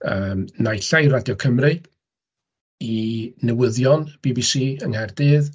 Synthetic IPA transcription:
əmnajɬajradjɔkʰəmrɨ | inɛwəðjɔnb̥iːbisiːəŋhɛrdɨːð

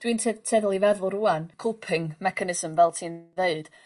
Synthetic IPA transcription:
d̥wintʰɛtʰɛðlˠivɛðʊlˠɾuankʰʊlˠpʰɪŋmɛkʰanɪzəmvɛlˠtʰiːnðeɨd̥

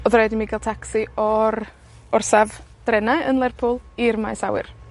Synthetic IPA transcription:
ɔðrɛːdimiɡalˠtʰaksiɔr | ɔrsavd̥rɛnaənlˠɛrpʰʊlˠirmajsa̰wɪ̰r

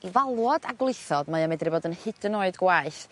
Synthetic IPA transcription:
ivalˠwɔdaɡwlˠɪθɔdmaamɛdriboːdənhɨd̥ənoɨdɡwaɨθ

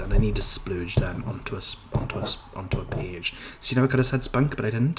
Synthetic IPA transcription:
ə̃naɪnid̚tʰəsplʉd͡ʒðə̃mə̰̃ntʰuəsʔɔ̰̃ntʰuəʔə̰̃ntʰuəpʰeɪd̥ʒ̥sjɨnoʊɪɡʌnəsɛdsb̥ʌ̃ŋkb̥ʌtaɪdɪdⁿn̩t

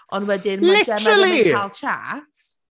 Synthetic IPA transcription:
ɔnwɛdɪnmlɪd͡ʒɛmaəlikalˠt͡ʃʰa̰t

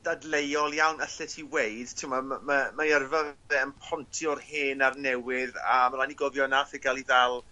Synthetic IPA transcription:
d̥adlejɔlˠjawnəɬɪtʰiweɨd̥tʰɪmammamaɛrvəɛənpʰɔntʰjɔrhɪːnarnɛwɪðamalaniɡɔvjɔnafɪɡalˠiðalˠ

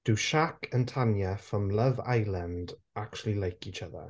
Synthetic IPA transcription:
d̥ɪwʃakʰəntʰanjəfɔmləva̰jlˠənd | akt͡ʃulˠilajkʰit͡ʃʰəðə̰

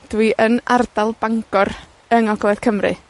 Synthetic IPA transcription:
d̥wiʔəna̰rdalˠbaŋɡɔr | əŋɔɡlˠɛð̥kʰəmrɨ̰

